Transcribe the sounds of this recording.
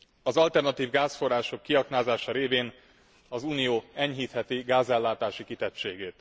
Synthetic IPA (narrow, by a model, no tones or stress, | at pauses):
ɒzɒlt̪ɛrnɒt̪iːvɡaːsfo̞raːʃo̞kːiɒknaːzaːʃɒɾeːveːn | ɒzuːnijoːɛɲɦiːt̪hɛt̪iɡaːzɛlːaːt̪aːʃikit̪ɛtt͡ʃeːɡeːt̪